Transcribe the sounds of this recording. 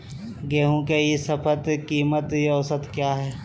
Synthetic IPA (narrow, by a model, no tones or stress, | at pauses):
ɡeːɦũkeisɐpʰət̪kiːmət̪ɔwsət̪kjaːɦɛː